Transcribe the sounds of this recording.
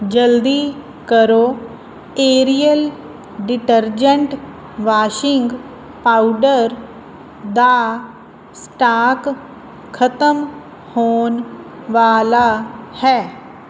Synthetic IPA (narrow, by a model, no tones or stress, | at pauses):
d͡ʒəld̪iː | kəɾoː | eːɾijəl | ɖɪʈəɾd͡ʒə̃ɳʈ | ʋaːʃɪ̃ŋɡ | paːuɖəɾ | d̪aː | sʈaːk | kʰət̪əm | hoːnʋaːlaːhɛː